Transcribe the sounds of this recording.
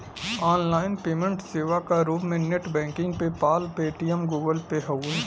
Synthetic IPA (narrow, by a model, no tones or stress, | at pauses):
aːnlaːɪnpeːmə̃ɳʈseːʋakaɾuːbmẽneʈbɛ̃ːŋkɪ̃ŋɡpepaːlpeːʈijəmɡuːɡəlpeɦɐuː